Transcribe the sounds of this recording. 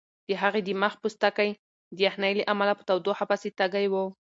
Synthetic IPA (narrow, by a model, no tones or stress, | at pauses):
d̪̥əɦaɣed̪imaxpust̪akaj | d̪əjaxnajleʔamalapə̥t̪awd̪oxapaset̪aɡajwə